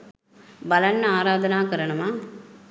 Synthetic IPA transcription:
bɐlɐnːɐaːɾaːd̪ɐnaːkɐɾɐɳɐmaː

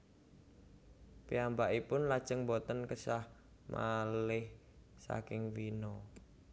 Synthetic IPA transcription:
piambaʔipʊnlad̥ʒ̥əŋbɔt̪ənkəsah | mʔa̰lɪh | sa̰kɪŋwinɔ

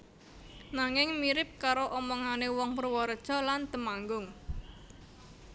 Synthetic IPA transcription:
naŋɪŋmiɾɪp̚kaɾoʔɔmɔŋanewɔŋpərwɔɾəd̥ʒ̥ɔ̤lant̪əmaŋɡʊŋ

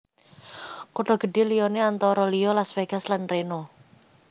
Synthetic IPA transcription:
kuɖ̥ɔ̤ɡ̥ə̤ɖe̤lijɔneant̪ɔɾɔlijɔlasfeɡ̥a̤slanreno

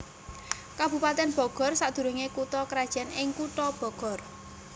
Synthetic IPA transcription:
kab̥ṳpat̪ɛnb̥ɔ̤ɡ̥ɔ̤rsad̪̥ṳɾuŋekut̪ɔkɾad̥ʒ̥ɛ̤nɪŋkutɔb̥ɔ̤ɡ̥ɔr

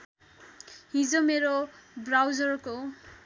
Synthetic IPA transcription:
hĩd͡zomeɾobrawd͡zʌrko

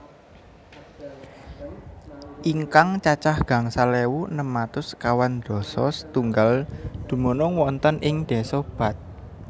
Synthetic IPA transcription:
ʔiŋkaŋt͡ʃat͡ʃahɡ̥ä̤ŋsalewunəmat̪ʊskawand̪̥ɔ̤sɔ̰st̪uŋɡald̪̥ṳmonɔŋwɔnt̪ənʔɪŋd̪̥ɛ̤sɔb̥a̤t̪̚

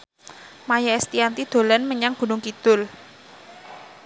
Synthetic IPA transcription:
majaɛst̪iant̪id̪̥o̤lɛnməɲaŋɡ̥ṳnʊŋkid̪̥ʊl

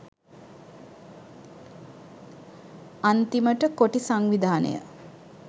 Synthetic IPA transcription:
ant̪iməʈəkoʈisaŋʋid̪aːnə̰jə̰

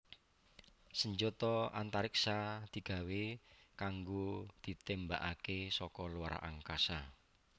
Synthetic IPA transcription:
səɲd͡ʒot̪ɔant̪aɾiksad̪̥i̤ɡ̥a̤wekaŋɡod̪̥i̤t̪embaʔakesɔkɔluwaɾa̰ʔa̰ŋkasa

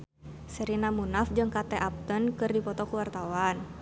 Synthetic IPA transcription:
səɾinamunafd͡ʒɨŋkat̪ɛʔap̚t̪ənkɨrdipɔt̪ɔkuwart̪awan

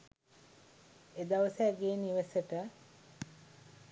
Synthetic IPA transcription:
ed̪aʋəsæɡeːniʋəsəʈə

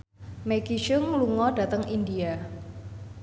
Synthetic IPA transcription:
mekiʃʊŋluŋɔɖ̥a̤t̪əŋʔindia

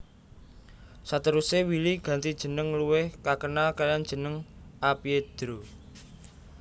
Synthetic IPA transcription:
sat̪əɾusewiliɡ̥ä̤nt̪id̥ʒ̥ə̤nəŋluwɪhkakənakajand̥ʒ̥ə̤nəŋʔapied̪̥ɾo

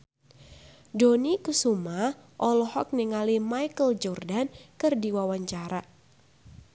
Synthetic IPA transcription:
donikəsumaʔɔlɔhɔk̚niŋalimajkəld͡ʒɔrdankɨrdiwawaɲt͡ʃaɾa

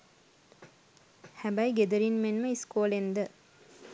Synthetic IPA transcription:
hæbæjɡed̪əɾinmenməiskoːlend̪ə

